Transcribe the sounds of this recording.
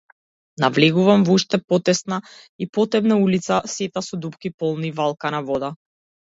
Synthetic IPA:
navlɛɡuvamvuʃt̪ɛpɔt̪ɛsnaipɔt̪ɛbnaulit̪sasɛt̪asɔd̪upkipɔlˠnivalˠkanavɔd̪a

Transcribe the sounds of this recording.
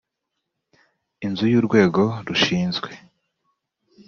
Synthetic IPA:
inzujuːɾɡwe̞ːɡo̞ɾuʃiːnzɡwe̞

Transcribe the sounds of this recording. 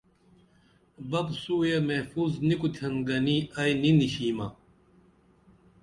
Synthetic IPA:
bɐbsuːjemefuːznikut̪ʰɐnɡɐniɐjniniɕiːmɐ

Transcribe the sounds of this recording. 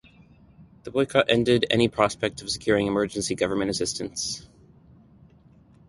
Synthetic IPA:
ðəbɔɪkʰɑɾʔɛ̃ndɪɾɛ̰ñipʰɹ̥ɑspɛk̚tʌv̥sɨ̥kʰj̥ʊɹɪ̃ŋɨmɜ˞d͡ʒɨ̃n̩siɡʌvə˞mɨ̃ñɨsɪstɨ̃ns

